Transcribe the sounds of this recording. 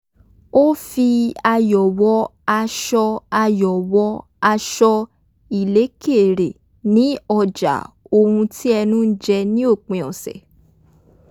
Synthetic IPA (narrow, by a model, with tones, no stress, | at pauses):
o˦fi˧a˧jɔ˨wɔ˨˧˦a˧ʃɔ˧a˧jɔ˨wɔ˧˦ | a˧ʃɔ˧ | i˨le˨˦ke˦˨ɾe˨ | nĩ˨˦ɔ˧d͡ʒa̰˨˦ | o˧hũ˧tʰi˦ɛ˧nũ˦n̩˦d͡ʒɛ˧nĩ˦o˦˨k͡pẽ˨ɔ̰˨sɛ̰˨